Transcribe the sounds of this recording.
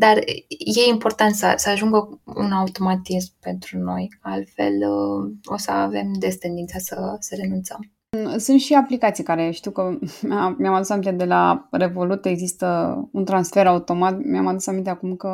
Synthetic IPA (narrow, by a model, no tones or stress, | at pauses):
d̪arje̞impo̞rt̪ant̪səsəaʒuŋɡəṵnaut̪o̞mat̪izmpe̞nt̪ɾuno̞jalt̪fḛləo̞̰səave̞md̪est̪e̞nd̪int̪sasəsəɾe̞nunt̪səm | sunt̪ʃiaplikat̪sijkaɾe̞ʃt̪iwkəamjamad̪usamint̪ed̪e̞la̰re̞vo̞lut̪e̞ɡzist̪əunt̪ɾansfe̞ɾaut̪o̞mat̪miamad̪usamint̪eakumkə